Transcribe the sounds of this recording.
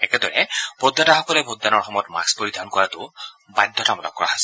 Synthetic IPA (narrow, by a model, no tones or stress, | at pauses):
ɛkɛdɔɹɛ̰podʱːataxɔkɔlɛbʱodːanɔɹxɔmɔjɔtma̰kspoɹidʱɔnkɔɹatʊ | bajdʱːɔtamɔta̰kːɔɹa̰ɦasɛ